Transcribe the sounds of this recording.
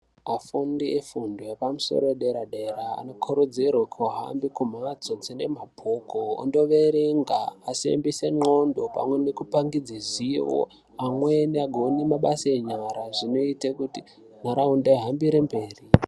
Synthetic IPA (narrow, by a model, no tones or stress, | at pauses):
afundiefundojepamuso̰ɾoeɗeɾaɗera̰ːno̞kʰoɾod͡zirwakʰaɦa̰mbikum̤ad͡zod͡zene̞mab̥ʱokoo̰ndo̞ʋe̞ɾeŋɡaːsḛmbiseŋ͡ǃondo̞pa̰mwe̞nekupaŋɡid͡zeziʋo̰ | amweneaɡʱonimaɓasaeɲaɾaʐino̞itakuti | naɾaundeɦambiɾembe̞ːri